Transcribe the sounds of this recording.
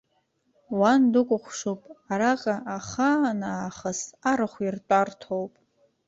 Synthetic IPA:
wandɨkʷʼʊχʷʂowpʼaɾaqʼaʔaχanaːχəsaɾɨχʷirtʷʼartʰowpʼ

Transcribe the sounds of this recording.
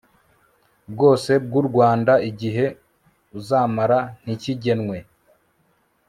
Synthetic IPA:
b̚ɡo̞ːse̞b̚ɡuɾɡwaːndaiɟiɦe̞ | uzaːmaɾan̥iciɟe̞nŋwe̞

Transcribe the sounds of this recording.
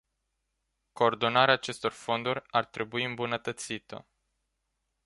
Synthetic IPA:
ko̞ːrd̪o̞naɾeaːt͡ʃe̞st̪o̞rfo̞nd̪uɾʲart̪ɾe̞buiɨmbunət̪ət̪sit̪ə̰

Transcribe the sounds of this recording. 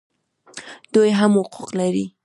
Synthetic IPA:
d̪̥ujɦamwʊquqlaɾi

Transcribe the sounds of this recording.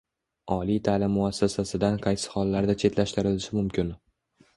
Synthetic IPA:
ɒlijt̪ʰaːlɪmːʊasːasasɪd̪anqʰɑjsɪ̥hɒlːaɾd̪at͡ʃʰe̞t̪laʃt̪ɪɾɪlɪʃɪmʊmkʲʰɪn

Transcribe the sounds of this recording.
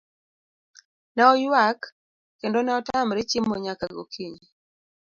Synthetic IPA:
naɔjwakː | endonaɔtamɾɪt͡ʃimːɔɲakaɡokʰiɲi

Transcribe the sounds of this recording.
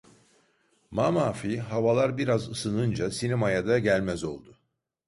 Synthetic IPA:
mamaːfiɦavalˠaɾbiɾazɯsɯnɯnd͡ʒasinɛmajad̪aɟælʲmɛzo̞̰lˠd̪ʊ

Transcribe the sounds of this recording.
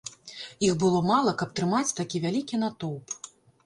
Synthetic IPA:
ixbɨlˠɔmalˠɐkɐp̚t̪ɾɨmat͡sʲt̪akʲivʲalʲikʲinat̪ɔwp

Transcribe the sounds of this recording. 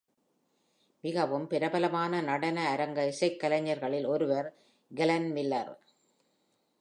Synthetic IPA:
mɪɣɐʋɯmpɪɾɐbɐlɐmaːnɐnɐɽɐnɐːɾɐŋɡɐɪsɐɪkːɐlɐɲːɐɾɣɐɭɪlɔɾɯʋɐɾ | ɡɪlɐnmɪlːɐ̰ɾ

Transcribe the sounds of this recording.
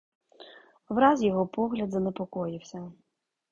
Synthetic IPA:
ʋɾɑzjɔɦɔpɔɦlʲɐd̪zɐnepɔkɔjɪwsʲɐ

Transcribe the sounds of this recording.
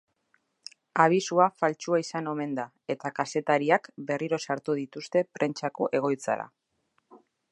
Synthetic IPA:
aβ̞isuafalt͡ʃuaisano̞me̞nd̪a | e̞t̪akase̞t̪aɾiakbe̞riɾo̞saɾt̪uð̞it̪ust̪e̞pɾe̞nt͡ʃako̞ʔe̞ɣ̞o̞jt͡sa̰ɾa̰

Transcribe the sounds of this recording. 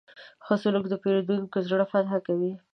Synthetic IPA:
xosʊlʊkd̪əpeɾod̪unkozɽafat̪ɦakawi

